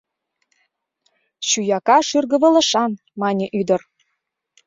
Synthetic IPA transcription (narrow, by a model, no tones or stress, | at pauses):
ɕyjɑkɑʃyrɣə̆βə̆lə̆ʃɑn | mɑnʲəʔyd̪ər